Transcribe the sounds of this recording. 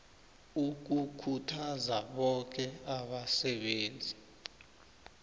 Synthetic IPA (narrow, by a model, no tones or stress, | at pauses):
uk̬ukʰutʰazaɓɔk̬ɛaɓasɛɓeːnd͡zʱi